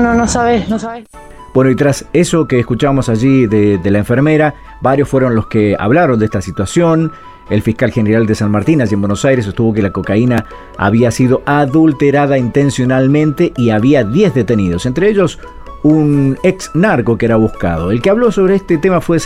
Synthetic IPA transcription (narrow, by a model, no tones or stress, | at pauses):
nonosaβenos | b̥wenoit̪ɾaseso̞keːskut͡ʃaβamosaʒiðed̪elaeɱfeɾmeɾa | baɾjosfwe̞ɾonlo̞skea̰βlaɾo̞nd̪est̪asit̪wasjo̞n | elfihkalxeneɾald̪esanmaɾt̪inaʒiembwenosajɾes̬est̪uβo̞k̬elako̞kaina | a̰βiasiðo̞ʔaðult̪eɾaðaint̪ẽnsjo̞nalmẽ̞nt̪e̞ʔiaβiaðjezðet̪eniðo̞sent̪ɾeeʒo̞s | uneksnaɾko̞keɾaβuska̰ð̞o̞elkeaβlo̞so̞βɾeest̪et̪emafwe